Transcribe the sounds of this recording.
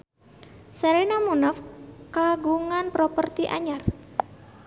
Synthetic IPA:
saɾinamunafkaɡuŋanpɾɔpərt̪iʔa̰ɲar

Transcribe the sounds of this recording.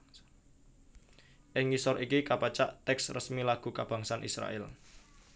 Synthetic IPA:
ʔɪŋisɔɾikikapat͡ʃa̰ʔt̪ɛksrəsmilaɡ̥ṳkab̥a̤ŋsanʔisɾa̰ʔɛ̰l

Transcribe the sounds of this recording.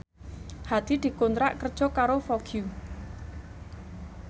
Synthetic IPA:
had̪̥i̤d̪̥i̤kunt̪ɾaʔkər̥ʒ̥ɔ̤kaɾofɔɡ̥ju

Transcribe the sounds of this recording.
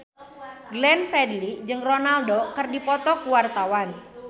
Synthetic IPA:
ɡlɛnfɛdlid͡ʒɨŋronaldokərdipɔt̪ɔkuwart̪awan

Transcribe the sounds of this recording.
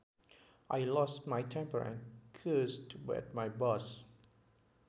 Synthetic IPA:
ʔajlɔstmajtʰɛ̃mpəɹɛ̰̃nkʰəstwɪ̰t̚majbɔs

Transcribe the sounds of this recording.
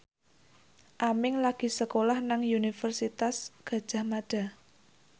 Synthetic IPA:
ʔamɪŋlaɡ̥i̤səkolahnaŋunifərsit̪asɡ̥ä̤d̥ʒ̥a̤hmaɖ̥a̤

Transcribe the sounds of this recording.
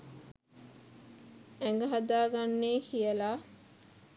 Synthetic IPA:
æŋɡəɦad̪aːɡanːeːkʰijəlaː

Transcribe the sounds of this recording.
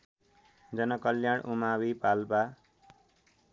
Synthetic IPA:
d͡zʌnʌkʌljaɽʔumawipalba

